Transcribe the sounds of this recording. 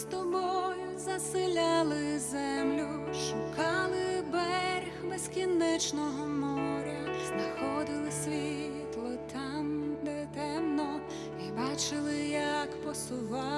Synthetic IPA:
st̪ɔbɔjʊzɐsɪlʲalˠɪzɛmlʲʊʃʊkɑlˠɪbɛɾʲxbɛzkʲinɛt͡ʃnɔɦɔmɔɾʲɐznɐxɔd̪ɪlˠɪsʲʋʲi | t̪lˠɔt̪ɑmd̪ɛt̪ɛmnɔ | ibɑt͡ʃɪlˠɪjɐkpɔsʊʋɑ

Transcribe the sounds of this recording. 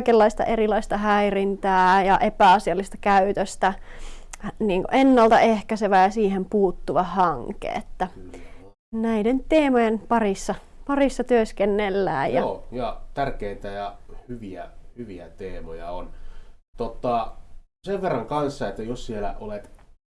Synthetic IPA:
kelːɑist̪ɑ̰ʔerilɑist̪ɑhæirint̪æːjɑʔepæɑsiɑlːˑist̪ɑ̥kæyt̪øst̪æ | niːŋko̰ʔenːɑlt̪ɑehkæseʋæjɑsiːhempuːt̪ːuʋɑhɑŋkḛːet̪ːæ | næident̪eːmojenpɑrisːɑ | pɑrisːɑt̪yøskenːelːæ̰ːjjɑjɑt̪ærkeit̪æjɑhyʋiæ̰hyʋiæt̪eːmojɑ̰ont̪ot̪ːɑseʋʋerːɑŋkɑnsːɑet̪ːæjossielæ̰ʔolet̪

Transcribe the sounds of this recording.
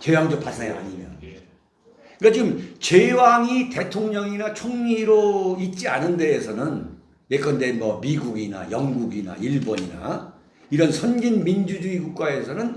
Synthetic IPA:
t͡ɕewaŋd͡ʑop͈as͈aŋa̰ɲimjʌ̰n | kad͡ʑiɡɯmt͡ɕewaŋite̞tʰoŋɲʌŋinat͡ɕʰoŋɲiɾoit̚t͡ɕ͈ianɯnde̞ːsʰʌnɯn | je̞k͈ʌndenmʌmiɡuɡina̰jʌŋɡuɡina̰iɭboɲina̰ | iɾʌnsʰʌnɡinmind͡ʑud͡ʑuiɡuk̚k͈ae̞sʰʌnɯn

